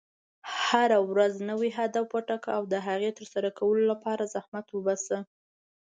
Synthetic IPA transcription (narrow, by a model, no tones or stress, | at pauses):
haɾawɾaznəwiɦad̪awpəʈakaawd̪əɦaɣet̪əɾsaɾakawəlolapɑɾazahmat̪wəbɑsə